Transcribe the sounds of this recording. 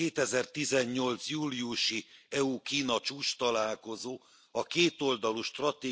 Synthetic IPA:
eːt̪ɛzɛrt̪izɛɲːo̞lt̪sjuːliuʃiɛukiːnɒt͡ʃuːt͡ʃt̪ɒlaːlko̞zoː | ɒkeːt̪o̞ld̪ɒluʃt̪rɒt̪eː

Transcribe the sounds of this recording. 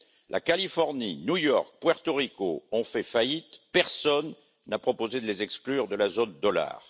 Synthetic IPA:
lʔa̰kalifɔʁninjujɔʁk̚pwɛʁt̪ɔʁikoɔ̃fɛfait̪pɛʁsɔnː | apχɔpozed̪əlezɛksklyʁd̪əlazond̪ɔla̰ːʁ

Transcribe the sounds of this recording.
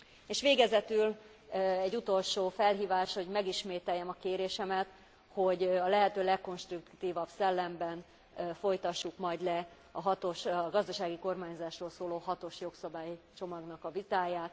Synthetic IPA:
eːʃʋeːɡɛzɛt̪yl | ɛɟːut̪o̞lʃoːfɛlɦiːvaːʃho̞ɟmɛɡiʃmeːt̪ɛjːɛmɒkeːɾeːʃɛmɛt̪ | ho̞ɟɒlɛɦɛt̪øːlɛkːo̞nʃt̪rukt̪iːvɒbsɛlːɛmbɛn | fo̞jt̪ɒʃːukmɒjd̪lɛ | ɒɦɒt̪oʃɒɡɒzd̪ɒʃaːɡiko̞rmaːɲzaːʃroːlsoːloːɦɒt̪o̞ʃjo̞ksɒbaːjt͡ʃo̞mɒɡnɒkɒvit̪aːjaːt̪

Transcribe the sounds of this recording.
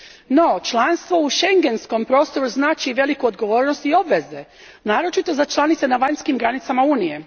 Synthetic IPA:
no̞t͡ʃlˠanst̪ʋo̞uʃe̞ŋɡe̞nsko̞mpɾo̞ːst̪o̞ɾuznaːt͡ʃiʋe̞likuod̪ɡo̞ʋo̞ːɾnost̪io̞bʋe̞ze | naːɾo̞t͡ʃit̪o̞zat͡ʃlˠanit̪se̞naʋaɲskimɡɾanit̪samauːnije̞

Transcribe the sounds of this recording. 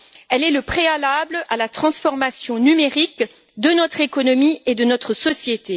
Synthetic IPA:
ɛlɛləpχealablalat̪χɑ̃sfɔʁmasjɔ̃nymeʁik | d̪ənɔt̪χekɔnɔmied̪ənɔt̪χəsɔsjet̪e

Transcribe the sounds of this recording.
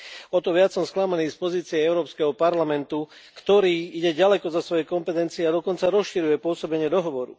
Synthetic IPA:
ɔt̪ɔʋɪat͡sːɔmsklamaniːspɔziːt͡siɛɛʊɾɔːpskɛɦɔpaɾlamɛnt̪ukt̪ɔɾiːiɟɛɟalɛkɔzasʋɔjɛkɔmpɛt̪ɛnt͡siɛad̪ɔkɔnt͡saɾɔsʃiɾujɛpʊɔsɔbɛɲɪɛd̪ɔɦɔʋɔɾṵ

